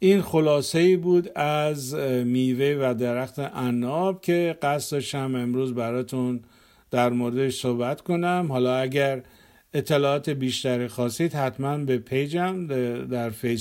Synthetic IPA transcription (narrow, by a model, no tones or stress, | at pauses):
ʔiːnxo̞lɒːse̞iːbuːd̪æzmiːvevæd̪eɾæxt̪ʰeʔænːɒbkʲʰe̞ɡæst̪d̪ɒːʃt̪æme̞mɾuːzbæɾɒːt̪ʰun | d̪̥æɾmoɾed̪eʃsohbæt̪ko̞næmhɒːlɒːæɡæɾ | e̞t̪ʰːe̞lɒːɒːt̪ʰebiːʃt̪æɾiːxɒːsiːd̪hæt̪mænbe̞pʰe̞jd͡ʒæmd̪æɾfes